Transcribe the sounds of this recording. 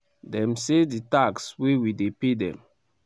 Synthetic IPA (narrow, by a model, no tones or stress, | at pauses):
dɛ̃mseditakswewidepedɛ̰̃m